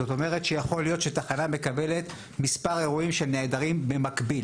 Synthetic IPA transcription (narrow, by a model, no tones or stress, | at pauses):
ot̪o̞me̞ʁet̪ʃejaχo̞lijo̞t̪ʃet̪aχaname̞kabe̞le̞t̪ | mispaʁe̞ʁuimʃelneːdaʁimbemakbil